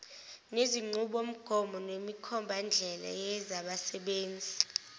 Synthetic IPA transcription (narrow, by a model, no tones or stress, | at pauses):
neziŋ͡ǃuɓom̩ɡ̥ʱɔmɔnwemikʰɔmbʱand͡ɮʱɛla̰jɛzaɓasɛɓeːnd͡zʱi